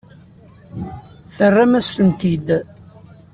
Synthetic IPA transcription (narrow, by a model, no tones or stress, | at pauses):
θərːamæst̪ənt̪id̪